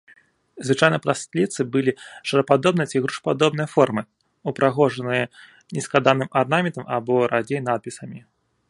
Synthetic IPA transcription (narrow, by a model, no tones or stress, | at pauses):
zvɨt͡ʂajnɨjpɾast̪lʲit̪sɨbɨlʲiʂɐɾɐpad̪ɔb̚nɨjɐt͡sʲiɣɾuʂpad̪ɔbnɨjɐfɔrmɨ | upɾʔaɣɔʐɐnɨjɐ | nʲɛskˠad̪anɨmarnamʲɛnt̪ɐmabɔɾad͡zʲejnat̪̚pʲisɐmʲi